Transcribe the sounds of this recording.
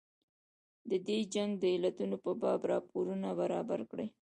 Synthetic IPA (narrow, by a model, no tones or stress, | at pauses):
d̪əd̪ed͡ʒaŋɡd̪əɪlat̪unopəbɑbɾɑpoɾunabaɾɑbaɾkɽej